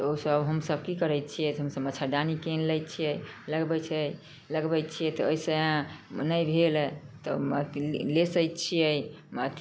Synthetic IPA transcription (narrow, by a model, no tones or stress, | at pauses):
t̪osəbɦəmsəb̚kikəɾɛt̪̚t͡ʃʰijɛɦəmsəbətːʰaɖanikenlɛjt̪t͡ʃʰijɛjləɡbɛt͡ʃʰəj | ləɡbɛt̪̚t͡ʃʰijɛt̪ɔəisəãnəjbʱelt̪ɔət̪lesəjt̪t͡ʃʰijəjət̪